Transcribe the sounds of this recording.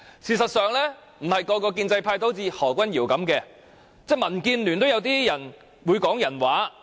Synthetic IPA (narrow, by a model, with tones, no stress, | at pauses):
siː˨sɐ˨t̚sœː˨˧ŋlɛː˥ | m̩˨˩hɐ˨jkɔː˧kɔː˧kiː˧nt͡sɐ˧jpʰaː˧jt̪o˥wt͡siː˧hɔː˨˩kʷɐ˥njiː˨˩wkɐ˨˥mkɛː˧ | t͡sɛː˥˩mɐ˨˩nkiː˧nlyː˨˩nt̪o˥wjɐ˨˧wt̪iː˥jɐ˨˩n | wuː˨˧jkɔː˨˥ŋjɐ˨˩nwaː˨˥